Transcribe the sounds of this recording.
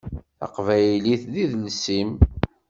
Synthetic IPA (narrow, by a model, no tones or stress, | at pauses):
ɑ̰qvæjliθðiðlsim